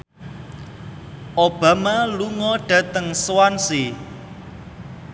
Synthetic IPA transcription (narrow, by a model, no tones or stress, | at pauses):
ʔob̥a̤maluŋɔɖ̥ä̤t̪əŋswansi